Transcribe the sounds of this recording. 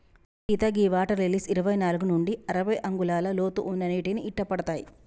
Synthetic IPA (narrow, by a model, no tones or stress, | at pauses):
kiːt̪ɐɡiːʋaːʈɐɾlelisiɾɐʋɐjnaːluɡunuɳɖiɐɾɐʋɐjʔɐŋɡulaːlɐloːt̪uʔunːɐniːʈiniʔiʈːɐpɐɽɐt̪aːji